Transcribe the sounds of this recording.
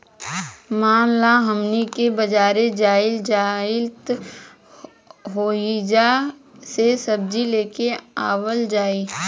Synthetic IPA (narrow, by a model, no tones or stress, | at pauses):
maːmlaɦɐmnikebɐd͡ʒaːɾed͡ʒaːɪld͡ʒaːɪt̪ | ɦoːid͡ʒasesɐb̚d͡ʒileːkeaːwəld͡ʒaːiː